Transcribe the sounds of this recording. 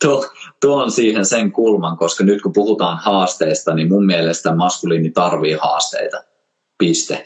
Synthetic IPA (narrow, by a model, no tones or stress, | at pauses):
t̪uot̪uoonsiːhenseŋkulmɑŋkoskɑnyt̪kupuhut̪ɑːnhɑːst̪eːst̪ɑnimmumːielest̪æmɑskuliːnit̪ɑrʋiːhɑ̰ːst̪ḛit̪ɑ | pist̪ḛ